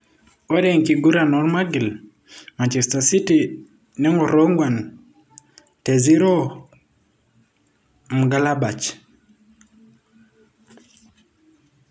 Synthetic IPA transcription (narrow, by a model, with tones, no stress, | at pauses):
ɔ˦dɛ˨ŋki˨ɡu˦ɾa˨nɔ˦ɾma˦ɡi˨l | ma˨ɲt͡ʃɛ˨sta˨si˦ti˨ | nɛ˦ŋɔ˨ɾo˦ŋɡwa˨n | tɛ˨zi˦ɾɔ˦ | m̩˨ɡa˦la˦ba˨t͡ʃ